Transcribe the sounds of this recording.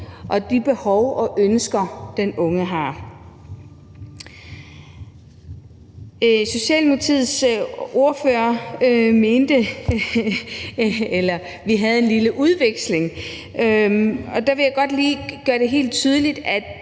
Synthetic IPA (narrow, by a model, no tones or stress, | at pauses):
ʔɒ̽d̥ib̥e̝hɒʊɒʔønsɡ̥ɐd̥enɔ̽ŋəɦɑ̈ | so̝ɕɛ̰ːlmot͡sʰið̰ˠso̝ɐføɐøme̝ːnd̥ə | elɐ | ʋiɦæð̞ˠe̝nliləʔuð̞ˠʋeɡ̥sle̝ŋ | ɒ̽d̥ɑ̈ʋe̝jäɪɡ̥ɒ̽d̥liːɡ̥ɶːɐɾ̥e̝ɦe̝̰ːld̥̚t͡sʰyð̞ˠəlid̥æd̥